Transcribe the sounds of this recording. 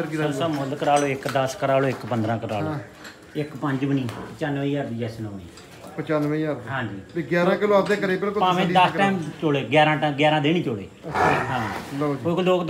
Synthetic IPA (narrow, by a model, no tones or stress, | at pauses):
ɾiəsamʊlkəɾaːloːɪkd̪əskəɾaːloːɪkpənd̪ɾãːkəɾa̰ːlː | ɪkpəɲd͡ʒʋəniːpət͡ʃaːnʋəiːaɾd̪iːɛːsnõːmẽː | pət͡ʃanʋiaɾɦãːd͡ʒiːiːɡjaːɾãːkɪlõːəd̪ẽːkəɾiːbəlkopãːʋẽːd̪əsʈɛːmt͡ʃoːɽeːɡjaːɾãːʈɛɡjaːɾãːd̪eːñiːt͡ʃoːɽḛːɦãːloːkloːkd̪